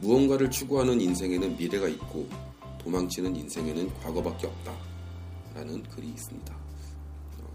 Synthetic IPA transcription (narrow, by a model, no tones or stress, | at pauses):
muʌnɡwaɾɯɭt͡ɕʰuɡoɦanɯninsʰe̞ŋe̞nɯnmiɾe̞ɡait̚k͈o | tomaŋt͡ɕʰinɯninsʰe̞ŋe̞nɯnkwaɡʌbak͈eʌp̚t͈a | ɾanɯnkɯɾiːs͈ɯmɲida | ʌ̰